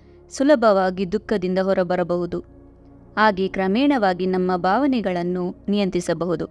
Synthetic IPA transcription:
sulɐbʱɐʋaːɡid̪ukːɐd̪ind̪ɐɦɔɾɐbɐɾɐbɐɦud̪u | aːɡekɾɐmɛːɳɐʋaːɡinɐmːɐbʱaːʋɐnɛɡɐɭɐnːunijɐnt̪isɐbɐɦud̪u

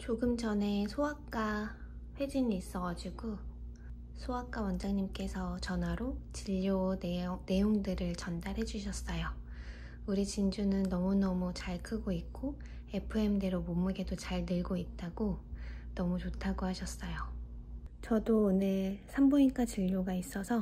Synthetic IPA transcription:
t͡ɕoɡɯmd͡ʑʌne̞sʰoakk͈a | ɸwe̞d͡ʑiniːs͈ʌɡad͡ʑiɡo | sʰoak͈awʌnd͡ʑaŋɲimk͈e̞sʰʌt͡ɕʌnɦwaɾot͡ɕiʎːone̞joŋdɯɾɯɭt͡ɕʌndaɾɦe̞d͡ʑuɕ̬ʰʌs͈ʌjo | uɾit͡ɕind͡ʑunɯnːʌmunʌmut͡ɕaɭkʰɯɡoik̚k͈o | e̞pʰɯe̞mde̞ɾomomɯɡe̞dot͡ɕaɭnɯɭɡoit̚t͈aɡ̥onʌmut͡ɕotʰaɡohaɕʰʌs͈ʌjo | t͡ɕʌdone̞sʰamboink͈at͡ɕiʎːoɡais͈ʌsʰʌ

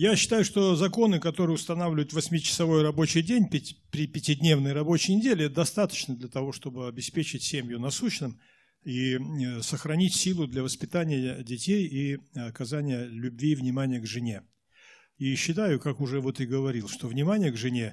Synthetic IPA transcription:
jaɕːɪ̥t̪ajʊʂt̪o̞zɐko̞nɨkɐt̪o̞ɾɨjʊst̪ɐnavlʲɪvʊjɪt̪vɐsʲmʲɪt͡ɕɪ̥sɐvo̞jrɐbo̞t͡ɕɪjdʲenʲpʲɪpʲɾʲɪpʲɪtʲɪdʲnʲe̞vnɨjrɐbo̞t͡ɕɪjnʲɪdʲelʲɪɛt̪əd̪ɐst̪at̪ə̥t͡ɕnəd̪lʲət̪ɐvo̞ʂt̪o̞bɨɐbʲɪspʲet͡ɕɪtʲsʲemʲjʊnɐsuɕnɨm | isəxɾɐnʲitʲsʲilˠʊd̪lʲɐvəspʲɪt̪anʲɪjədʲɪtʲejiɐkɐzanʲɪjəlʲʉbʲvʲivnʲɪmanʲɪjəɡʐɨnʲe̞ | iɕːɪt̪ajʊkakʊʐɛvo̞t̪ɨɡəvɐɾʲilˠʂt̪o̞vnʲɪmanʲɪjəɡʐɨnʲe

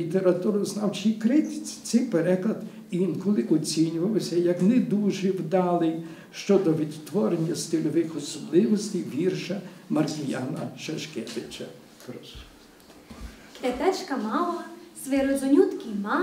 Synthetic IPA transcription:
it̪eɾɐt̪uɾʊznawt͡ʃijkɾɪt̪ɪ̥t͡sʲi̥sɛjpeɾɛklˠɐd̪ | nkɔlˠɪʔɔt͡sʲinʲʊʋɐwsʲɐjɐknɛd̪uʒɛwd̪ɑlˠɪj | ʃt͡ʃɔd̪ɔʋʲid̪t̪ʋɔɾenʲːɐst̪ɪlʲɔʋɪxɔsɔblˠɪʋɔsʲt̪ʲejʋʲirʃɐmɐrtʲɪjanɐʃɐʃkʲɛʋɪt͡ʃɐ | kɾɔs | k̪ɛt̪ɛt͡ʃkɐmɑlˠɐsʋeɾɔzɔnʲut̪kʲimɑ

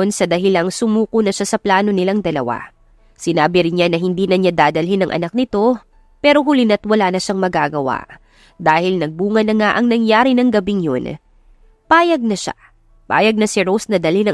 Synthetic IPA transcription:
nsɐd̪ɐɦɪlaŋsʊmuːkonɐʃasɐplaːno̞nɪlaŋd̪ɐlɐ̰wa̰ | sɪnaːbɪɾɪnɲanɐɦɪnd̪iːnɐɲad̪aːd̪ɐlɦɪnɐŋʔɐ̰nak̚nɪt̪o̞ | pɛːɾo̞ɦʊlɪnɐt̪wɐlaːnɐʃaŋmɐɡaːɡɐwa̰ʔ | d̪aːhɪlnɐɡ̚buːŋɐnːɐŋaʔɐŋnɐŋjaːɾinɐŋɡɐbiŋjo̰n | paːjɐɡ̚nɐʃa̰ | pa̰ːjɐɡ̚nɐsɪɾosnɐd̪ɐlinɐŋ

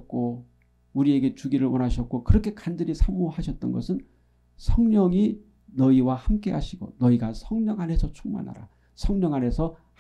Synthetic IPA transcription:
t̚k͈o | uɾie̞ɡe̞t͡ɕuɡiɾɯɭwʌnɦaɕʰʌt̚k͈okɯɾʌkʰe̞kandɯɾisʰamohaɕʰʌt̚t͈ʌnɡʌsʰɯn | sʰʌŋɲʌŋi | nʌiwahamk͈e̞ɦaɕʰiɡo̰nʌiɡasʰʌŋɲʌŋɦanɦe̞sʰʌt͡ɕʰuŋma̰nɦa̰ɾa̰ | sʰʌŋɲʌŋane̞sʰʌ | h

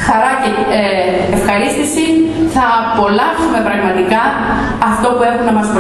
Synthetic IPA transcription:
xɐɾɐce | efxɐɾist̪isiθɐpo̞lɐsume̞pɾɐɣmɐt̪ikɐː | ft̪o̞pue̞xumnɐmɐsp

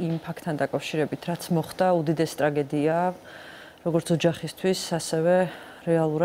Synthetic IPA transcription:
impʰak̚ʰt̪ʰːand̪akʼafʃiɾɛbit̪ʰɾat̪sʰmɔχd̪aud̪id̪ɛst̪ʼɾaɡɛd̪ia | ɾɔɡɔɾt̪sʰɔd͡ʒaχist̪ʰwisasɛvɛ | ɾɛalˠuɾa

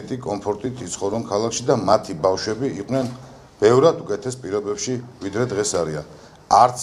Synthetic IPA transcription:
ɛt̪ʼikʼɔmpʰɔɾt̪ʼit̪ʰit̪sʰχɔɾɔnkʰalˠakʰʃid̪amat̪ʰibafʃwɛbiiqʼnɛn | b̥ɛvɾad̪ukʼɛt̪ʰɛspʼiɾɔbɛpʃivid̪ɾɛd̪ʁɛsaɾia̰n | aɾt̪s

